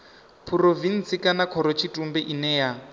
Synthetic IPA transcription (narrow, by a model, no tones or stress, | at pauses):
pʰurovinsikanakʰɔɾɔt͡ʃʰitʼumbɛʔinɛja